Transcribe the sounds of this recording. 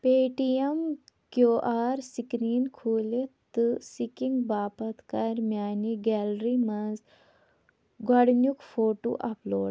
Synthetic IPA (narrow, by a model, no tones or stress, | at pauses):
peːʈiemkjoːʔaːɾsikɾiːnkʰuːlet̪ːɨsikiŋɡbaːpɐt̪kaɾmjaːniɡɛlɾimɐz | ɡɐɽnjukfoːʈo̰ʔɐ̰plo̰ːɽ